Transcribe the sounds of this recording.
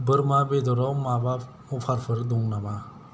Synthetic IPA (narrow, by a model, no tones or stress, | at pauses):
bɯɾmabed̪ɔɾawmaba | ɔpʰaɾpʰɯɾd̪ɔŋnama